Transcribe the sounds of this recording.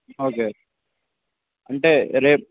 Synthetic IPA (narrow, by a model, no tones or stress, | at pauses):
oːkeː | ɐɳʈeɾeː